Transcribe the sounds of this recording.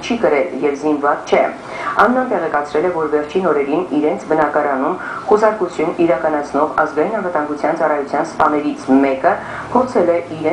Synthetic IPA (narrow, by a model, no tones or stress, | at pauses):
t͡ʃʰikəɾɛljɛvzinvɑt͡st͡ʃʰɛ | ɑnnɑnt̪ɛʁɛkɑt͡sʰɾɛlɛvɔɾvɛɾt͡ʃʰinɔɾɛɾiniɾɛnt͡sʰbənɑkɑɾɑnumχusɑɾkut͡sʰjuniɾɑkɑnɑt͡sʰnɔʁɑ̰zɡɑjinɑnvət̪ɑŋɡut͡sʰjɑnt͡sɑrɑjut͡sʰjɑnspɑnɛɾit͡sʰmɛkə | pʰɔɾt͡sʰɛlɛiɾɛ